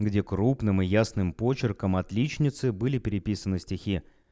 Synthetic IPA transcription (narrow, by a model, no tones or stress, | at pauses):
ɡdʲe̞kɾupnɨmɨjasnɨmpo̞t͡ɕɪrkəmɐt̪lʲit͡ɕnʲɪt̪sɨbɨlʲɪpʲɪɾʲɪpʲisənɨsʲtʲɪxʲi